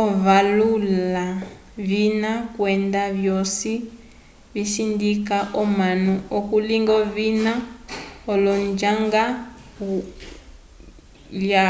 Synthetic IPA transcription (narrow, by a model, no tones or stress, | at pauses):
ɔvalula | βinakwɛndaβjɔsi | βisindikaʔɔmanuɔkuliŋɡɔβinaɔlɔnd͡ʒaŋɡa | ku | la